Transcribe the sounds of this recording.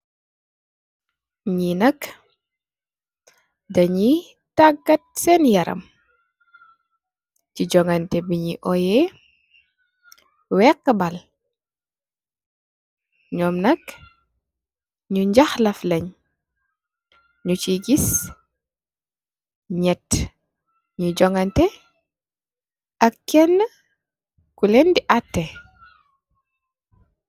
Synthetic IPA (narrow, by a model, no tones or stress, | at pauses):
ɲinɐk | dɐɲi | taɡːɐt̚sɛnjɐɾɐ̰m | ciɟɔŋɐntɛbiɲiʔɔjɛ | wɛkːəbɐl | ɲɔːmnɐk | ɲuɲɟaxlɐflɐɲ | ɲut͡ʃiɡis | ɲɛt | ɲid͡ʒɔŋɡɐntɛ | ʔɐkːɛnːə | kulɛndiʔatːɛ